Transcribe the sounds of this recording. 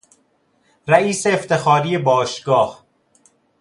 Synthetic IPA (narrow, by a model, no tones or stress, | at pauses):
ɾæiːseːft̪ʰe̞xɒːɾiːebɒːʃɡɒːh